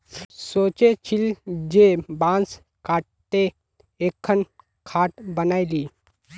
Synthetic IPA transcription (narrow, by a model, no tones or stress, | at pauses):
soːt͡ʃet͡ʃʰɪld͡ʒebãːns | kaːʈ̚t̪e | eːkʰːən | kʰaːʈbənaːiliː